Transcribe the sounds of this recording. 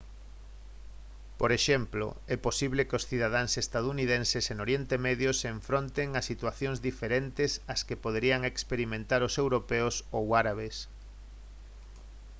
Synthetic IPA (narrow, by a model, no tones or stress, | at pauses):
poɾeʃemplo̰ɛposiβlekɪosθiðað̞aŋsest̪aðuniðẽnsesenoɾjent̪emeðjoseɱfɾont̪eŋasit̪waθjoŋzðifeɾent̪esaskepoðeɾiaŋekspeɾimẽnt̪aɾosewɾopɛʊsowaɾaβ̞es